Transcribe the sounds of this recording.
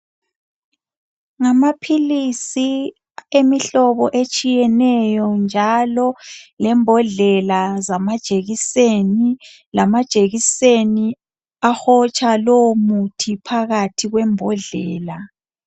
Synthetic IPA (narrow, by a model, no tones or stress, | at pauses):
ŋamapʰilisi | emiɬɔβɔʔet͡ʃʼijɛnɛjɔnd͡ʒʱalɔlɛmbʱɔɮɛlazamad̥ʒ̥ʱeɣiseni | lamad̥ʒ̥ʱeɣiseni | axɔt͡ʃʰʼalomutʰipʰaɣatʰiɣwɛmbʱɔɮɛːla